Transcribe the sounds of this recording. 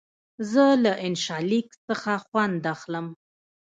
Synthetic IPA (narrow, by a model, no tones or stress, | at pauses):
zəlaʔɪnʃɑliksəxaxwand̪axləm